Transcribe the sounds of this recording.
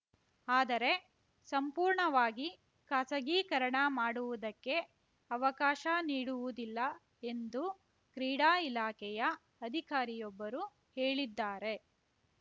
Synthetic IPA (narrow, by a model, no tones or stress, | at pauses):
aːd̪ɐɾe̞ | sɐmpuːɾɳɐʋaːɡi | kɐsɐɡiːkɐɾɐɳɐmaːɽuʋud̪ɐkːe̞ | ɐʋɐkaːʃɐniːɽuʋud̪ilːɐ | e̞nd̪u | kɾiːɽaːilaːkʰɛjɐ | ɐd̪ʱikaːɾijɔbːɐɾu | heːɭid̪ːaːɾe̞